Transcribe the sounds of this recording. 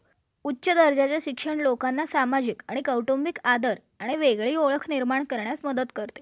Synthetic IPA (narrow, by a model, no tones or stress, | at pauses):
utːɕəd̪əɾd͡ʑat͡ɕjaɕikʂəɳlokanːasamad͡ʑikaɽ̃ikəwʈombikad̪əɾ | aɽ̃iʋeɡɭiːoɭəkʰniɾmaɳkəɾɳjasməd̪ət̪kəɾt̪e̥